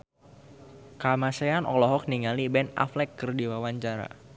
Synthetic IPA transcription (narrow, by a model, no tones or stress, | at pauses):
kamaseanɔ̰lɔɦɔk̚niŋalibɛna̰flɛkːərdiwawaɲt͡ʃaɾa̰